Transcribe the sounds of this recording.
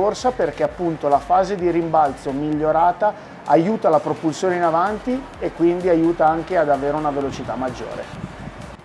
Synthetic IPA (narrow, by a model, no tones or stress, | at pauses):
orsaperk̟eapːunt̪olafaːzed̪iɾimbalt̪somiʎːoɾaːt̪aː | juːt̪alapɾopulsjoːneinavant̪i | ekːwind̪iajuːt̪aaŋk̟ead̪aveːɾeunavelot͡ʃit̪amːad͡ʒːo̰ːɾḛ